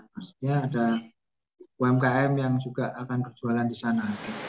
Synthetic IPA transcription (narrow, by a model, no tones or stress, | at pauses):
masu̥t̪ɲaːda | uɛmkaɛmjaŋd͡ʒuɡaʔakanbərt͡ʃualandisanat̪u